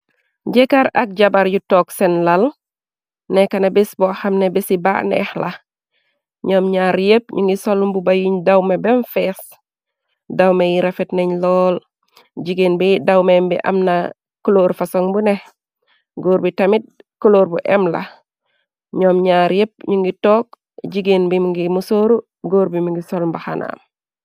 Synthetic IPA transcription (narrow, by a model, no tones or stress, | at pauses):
ɟɛkaɾɐ̰k̚ɟabaɾɟutɔksɛnlal | nɛkanebisbɔhamnebisiba̰ːʔnɛ̰hla | ɲɔːmɲaɾjep̚ɲuŋɡisolumbubajiɲdawmebɛnfɛs | dawmejiɾafɛtneɲlɔːl | ɟiɡeːnbidawmembḭʔɐ̰mna | kuloːɾfasoŋbunɛh | ɡoːɾbitɐmit̚kuloːɾbuʔɛmlɐ̰ | ɲɔːmɲaːɾjep̚ɲuŋɡitɔːk̚ | ɟiɡenbimuŋɡimusoːɾu | ɡoːɾbimuŋɡisolumbaxana̰ːm